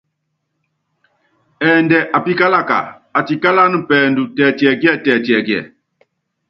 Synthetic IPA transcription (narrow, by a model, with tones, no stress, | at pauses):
ɛ˨ndɛ˨ʔa˨pi˦ka˦la˦˨ka̰˨ | a˨ti˨ka˦la˦nɨ˦pɛː˨ndu˨tɛ˨ti˨ɛ˨ɡi˦ɛ˦˨tɛː˨tɛ˨ɡjɛ̰˨